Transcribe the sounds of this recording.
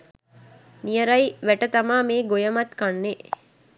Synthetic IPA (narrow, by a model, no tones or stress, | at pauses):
nijəɾɐjiʋæʈət̪amaːmeːɡojəmɐt̪kanːe